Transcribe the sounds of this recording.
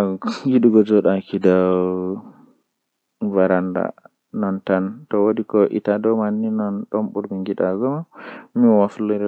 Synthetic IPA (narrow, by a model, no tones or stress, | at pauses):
ŋɡiɗuɡɔd͡ʒɔɗakida | vaɾanda̰ | nɔntantɔwodikɔʔḭtadɔmanːinɔnɗɔmɓuɾmiŋɡiɗaɡɔmamiwafliɾ